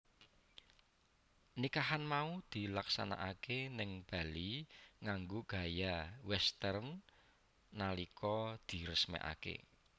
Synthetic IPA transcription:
nikaɦanmaud̪̥i̤laksa̰na̰ʔakenɪŋb̥a̤liŋaŋɡoɡ̥a̤jawɛst̪ɛrnː | alikʰɔd̪̥i̤ɾəsmɛ̰ʔa̰kḛ

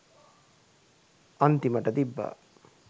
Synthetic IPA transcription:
ant̪iməʈəd̪ibːa̰

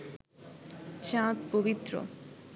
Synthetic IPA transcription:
t͡ɕãt̪pobit̪ːɾo̰

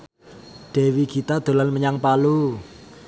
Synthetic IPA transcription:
ɖ̥ɛ̤wikit̪ad̪̥o̤lanməɲaŋpalu

